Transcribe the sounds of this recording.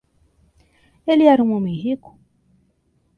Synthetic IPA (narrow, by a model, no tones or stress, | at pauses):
eliaɾumomiɦiku̥